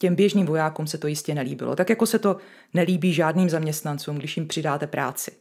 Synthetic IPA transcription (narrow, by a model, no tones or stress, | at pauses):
cɛmbjɛʒniːmvo̞jaːkuːmsɛt̪o̞jɪscɛnɛlḭːbɪ̰lot̪akjako̞sɛt̪o̞ | nɛliːbiːʒaːdniːmzamɲɛst̪nant͡suːmɡdɪʃjɪmpr̝̥ɪdaːt̪ɛpɾʔa̰ːt͡sɪ̥